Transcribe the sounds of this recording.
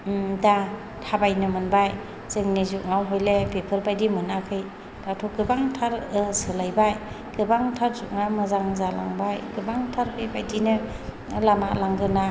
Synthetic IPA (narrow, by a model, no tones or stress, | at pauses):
da | tʰabajnɯmɯnbaj | zɯŋnizuʔŋawɦojlepepʰɯɾbajdimɯnakʰɯj | datʰɔɡɯbaŋtʰaɾsɯlajbaj | ɡ̥ɯbaŋtʰaɾzuʔŋamɯzaŋzala̰ŋbajɡɯbaŋtʰaɾpebajdinɯ | lama̰laŋɡɯna